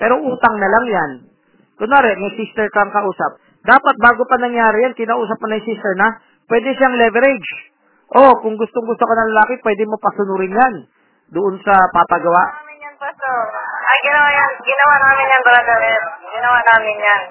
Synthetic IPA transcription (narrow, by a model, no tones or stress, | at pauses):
pɛːɾoʔuːt̪ɐŋnɐlaŋjan | kʊnaːɾɛmɐjsist̪ɛɹkɐŋkɐʔuːsɐp̚ | d̪aːpɐt̪̚baːɡopɐnɐŋjaːɾɪjankɪnaʔuːsɐp̚monɐjsist̪ɛɹnɐ | pwɛd̪ɛʃaŋlɛvɛɾɛd͡ʒ | ʔo̞kʊŋɡʊst̪oŋɡʊst̪okɐnɐŋlɐlaːkɪpwɛd̪ɛmopɐsʊnuːɾɪnjan | d̪ʊʔonsɐpapɐɡɐwaʔmɪnjɐnpɐsoʔɐjɡɪnɐwajanɡɪnɐwanaːmɪnjɐnb̪ɐɾad̪ɐɾɛɾɡɪnɐwanaːmɪnjan